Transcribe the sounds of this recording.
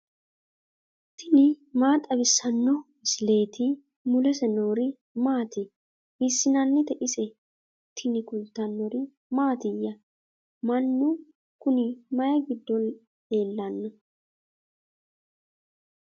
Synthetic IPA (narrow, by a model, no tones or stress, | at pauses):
t̪ːɪnɪmaːt̪ʼɐbɪsːɐnːɔmɪsle̞ːt̪ɪ | mʊlɛsɛnoːɾɪ | maːt̪ɪ | bɪsːɪnɐnːɪt̪ɛʔɪsɛ | t̪ʰːɪnɪkʊlt̪ːɐnːɔɾɪ | maːt̪ɪjːɐ | mɐnːʊ | kʊnɪmɐjɐɡɪd̪ːɔn | e̞ːlːɐnːɔ